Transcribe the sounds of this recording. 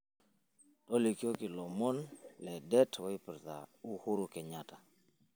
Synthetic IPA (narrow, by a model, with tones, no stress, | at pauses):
tɔ˦li˨ki˦o˦kɪ˨lɔ˨mɔ˦nlɛ˨dɛ˦tʰwɔ˨˦i˦pɾta̰˨u˦hʊ˦ɾʊ˨kɛ˨ɲa˨ta˨